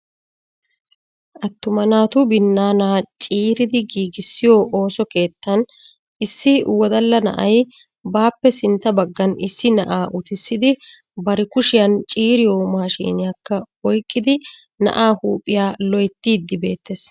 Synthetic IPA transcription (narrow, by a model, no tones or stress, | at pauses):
ʔɐt̪ːʊmɐnaːt̪ʊbɪnːaːnaːt͡ʃʼiːɾɪd̪ɪɡiːɡɪsːɪjoːʔo̞ːsɔke̞ːt̪ːɐn | ʔɪsːɪwɔd̪ɐlːɐnɐ̰ʔɐj | baːpːɛsɪnt̪ːɐbɐɡːɐnɪsːɪnɐʔaːʔʊt̪ɪsːɪd̪ɪ | bɐɾɪkʊʃɪjɐnt͡ʃʼiːɾɪjoːmaːʃḭːnɪjakːɐ | ɔjkʼːɪd̪ɪ | nɐ̰ʔaːhuːpʼːɪjaːlɔjt̪ːiːd̪ːɪbe̞̰ːt̪ːes